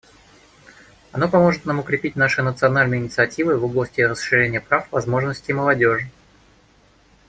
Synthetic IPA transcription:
ɐnopɐmo̞ʐɨt̪namʊkɾʲɪpʲitʲnaʂɨnət̪sɨɐnalʲnɨjəɪnʲɪt̪sɨɐtʲivɨvoblˠəsʲtʲɪrəsʂɨɾʲenʲɪjəpɾafvɐzmo̞ʐnəsʲtʲɪjməlˠɐdʲo̞ʐɨ

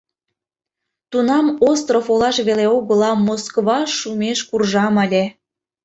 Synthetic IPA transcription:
t̪unɑmost̪rofolɑʃβeleoɣə̆lɑmoskβɑʃumeʃkurʒɑmɑlʲe

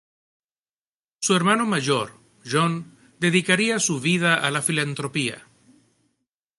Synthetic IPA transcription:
sue̞ɾmano̞maʝoɾ | ʒon | d̪e̞ðikaɾiasuβiðaʔalafilant̪ɾo̞pia̰

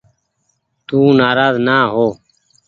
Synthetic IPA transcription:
t̪ũːnaːɾaːznaːɦoː

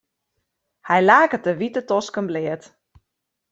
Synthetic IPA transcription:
hɛjlaːkətəʋitətɔskənblɪət

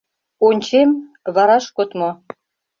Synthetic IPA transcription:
onʲt͡ɕemβɑɾɑʃkot̪mo

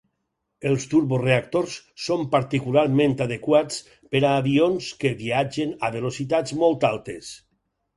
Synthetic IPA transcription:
elˠst̪uɾβosreak̚t̪oɾssompaɾt̪ikulaɾmẽnt̪aðekwat͡s | peɾaːβionskeβiad͡ʒenaβelosit̪ad͡zmolˠt̪alˠt̪es

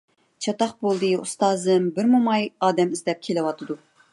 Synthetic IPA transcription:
t͡ʃʰɑt̪ɑχbolˠd̪ɨust̪ɑːzɨmbɪɾmumɑjɑːd̪ɛmɪzd̪ɛp̚kʲʰelɪwɑt̪ʰɨd̪u

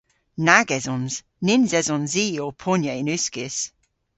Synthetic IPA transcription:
naɡɛzɔnz̥ | nɪnzɛzɔnziːopʰʊnjəɪnʉskɪs

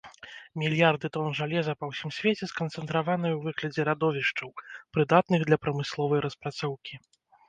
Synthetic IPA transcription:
mʲilʲjard̪ɨt̪ɔnʐalʲɛzɐpɐwsʲimsʲvʲet͡sʲɛskɐnt̪sɛnt̪ɾavanɨjwvɨɣlʲɐd͡zʲɛɾad̪ɔvʲiʂt͡ʂɐwpɾɨd̪at̪̚nɨɣd̪lʲɐpɾɐmɨslˠɔvɐjɾɐspɾat̪sɔwkʲi

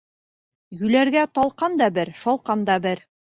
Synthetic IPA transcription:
jʉlæɾɡæt̪ɒlˠqɑnd̪ɑbɘɾʃɒlˠqɑnd̪ɑbɘɾ

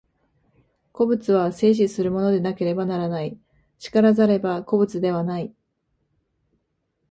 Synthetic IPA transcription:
ko̞bɯ̟t͡sɨβase̞ːɕ̬isɨɾɯ̟mo̞no̞d̪e̞nake̞ɾe̞banaɾanai | t͡ɕi̥kaɾazaɾe̞bako̞bɯ̟t͡sɨd̪e̞β̞anai

